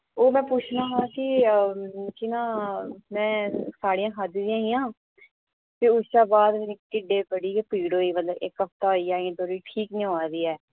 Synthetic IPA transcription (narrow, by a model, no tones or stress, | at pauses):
oːmɛ̃ːpuːt͡ʃʰnaːɦakɪ | kɪnãːmɛ̃ːsaːɽijãːɦad̪ɪzijãːɦijãː | t̪ɪːʊʃaːbaːd̪m̃ːnɪkʈiɖeːpəɽiːeːpiːɽoːiːmət̪ləbɪ̰kɦəpt̪aːɦoːiːaːĩːt̪oːɾiːʈʰiːkneaːɾiːɛː